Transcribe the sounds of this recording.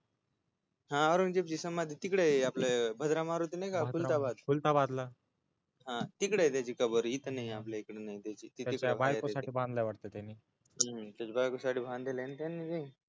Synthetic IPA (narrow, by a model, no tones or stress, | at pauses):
ɦãəɾoŋd͡ʑep̚t͡ɕiːsəmad̪ʱit̪ikɽeaplebʱəd̪ɾamaɾut̪inajkault̪abad̪pult̪abad̪la | ɦãt̪ikɽet̪jat͡ɕiːkəbəɾɦit̪ənaiaplaikɽenait̪jat͡ɕiːt̪iait͡ɕkabajkosaʈʰiːbãnd̪lajʋaɽt̪et̪janːiː | ɦət̪jat͡ɕebajkosaʈʰiːbʱãnd̪ʱelent̪janːid͡ʑe